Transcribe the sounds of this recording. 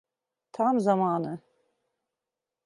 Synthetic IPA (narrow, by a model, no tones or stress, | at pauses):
t̪ʰamzamaːnɯ